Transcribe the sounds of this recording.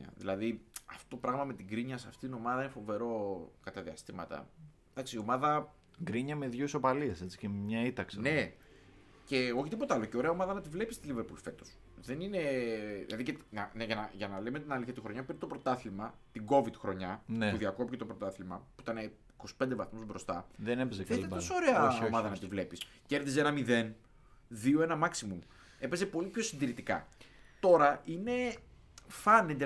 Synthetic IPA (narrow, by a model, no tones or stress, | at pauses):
ɐ̰ðḭlɐðiɐft̪ot̪o̞pɾɐɣmɐme̞t̪iɡɾiɲɐsɐft̪it̪ino̞mɐðɐinefo̞ve̞ɾo̞kɐt̪ɐðiɐst̪imɐt̪ɐ̰ | d̪̥ɐksio̞mɐðɐ | ɡɾiɲɐmeðʝoiso̞pɐliese̞t͡si̥cemɲɐit̪ɐksne̞ | ce̞o̞çit̪ipo̞t̪ɐɐloceo̞ɾe̞ɐomɐðɐnɐt̪ivle̞pi̥st̪iliveɾpolife̞t̪o̞s | ðe̞nine̞ðilɐðicenɐneʝɐnɐʝɐnɐlemet̪inɐliθçɐt̪ixɾo̞ɲɐpeɾnet̪o̞pɾo̞t̪ɐθlimɐt̪iɡo̞vid̪xɾo̞ɲɐnuðiɐko̞picet̪opɾo̞t̪ɐθlimɐpuit̪ɐne | iko̞si̥pe̞nd̪evɐθmuzbɾo̞st̪ɐðenepzθet̪osoɾe̞ɐomɐðɐnɐt̪ivle̞pis | ce̞ɾθis̬e̞nɐmiðe̞n | ðio̞e̞nɐmɐksimum | e̞pe̞zepo̞lipço̞sind̪iɾit̪ikɐ̰t̪o̞ɾɐine̞ | fɐnend̪e